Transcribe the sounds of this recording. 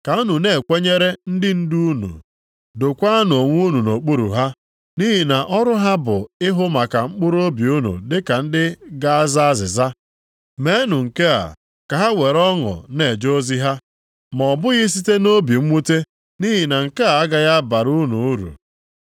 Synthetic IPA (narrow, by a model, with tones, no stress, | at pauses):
ka˨u˦nu˨ne˨kʷe˦ɲe˦ɾe˦n̩˦dɪ˦n̩˦du˦u˦nṵ˨ | do˨kʷa˦a˦no˨ŋʷu˦nu˨no˨k͡pu˦ɾṵ˨ɦa˦ | ni˦ɦi˨na˨ʔɔ˦ɾʊ˦ɦa˦bʊ˨ɪ˦ɦʊ˦ma˨ka˨ŋ͡m̩˦k͡pʊ˦ɾo˦bi˨u˦nṵ˨dɪ˦ka˨n̩˦dɪ˦ɡa˦a˦za˦zɪ˨za˦ | me˨˦e˦nu˨ŋ̩˨ke˦a̰˨ | ka˨ɦa˦we˨ɾɔ˦ŋɔ̰˨ne˨d͡ʒo˦zi˦ɦa˦ | mɔ˨bʊ˦ɣɪ˦s̬i˦te˦no˦bi˨m̩˦mu˦te˦ | ni˦ɦi˨na˨ŋ̩˨ke˦a˨a˦ɡa˨ɣa˦ba˨ɾu˦nṵ˨˦ɾṵ˨